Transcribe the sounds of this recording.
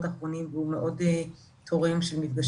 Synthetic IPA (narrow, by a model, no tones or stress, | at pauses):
t̪aχʁo̞nimvehumeʔo̞d̪e | t̪ʰoʁemʃelmifɡaʃ